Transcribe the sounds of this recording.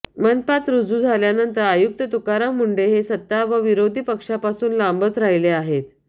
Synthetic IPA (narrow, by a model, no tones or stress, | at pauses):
mənpat̪ɾud͡zuːd͡zʱaljanənt̪əɾajuk̚t̪ət̪ukaɾamuɳɖeɦesət̪ːaʋəʋiɾod̪ʱiːpəkʂapasuːnlambət͡sɾaɦileaɦet̪